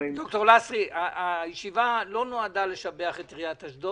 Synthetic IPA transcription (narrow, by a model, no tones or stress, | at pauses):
d̥̪okt̪oʁlasʁiaajeʃivalo̞noadale̞ʃabeaχetʁijataʃdo